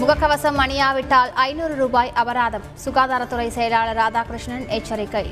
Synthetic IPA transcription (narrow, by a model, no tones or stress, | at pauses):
mʊɣɐkːɐʋɐsɐmːɐɳɪjaːʋɪʈːaːlɐɪnuːɾɯɾuːbaːjʔɐbɐɾaːðɐmsʊɣaːðaːɾɐt̪ːɯrɐɪsɛjɐlaːɭɐɾaːd͡ʒaːkɾɪʂɳɐneːt͡ʃːɐɾɪkːɐɪ